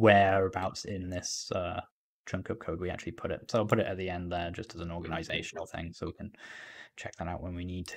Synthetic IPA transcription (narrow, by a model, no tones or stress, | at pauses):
wəɹəbaʊtsɪ̃nðɪsʌ | tʰɹ̥ʌ̃ŋkʰʌp̚kʰoʊd̚wia̰k̚t͡ʃʉl̩ˠipʰʊɾɪ̰t̚soʊɪlˠpʰʊɾɪtə̰ʔ̪̚ðiɛ̃nðəd͡ʒʌstəzə̃nɔːɡənaɪzeɪʃənl̩ˠθɪ̰̃ŋsoʊwikʰə̃nt͡ʃʰɛk̚ðəɾaʊʔwə̃nwinid̚tʰ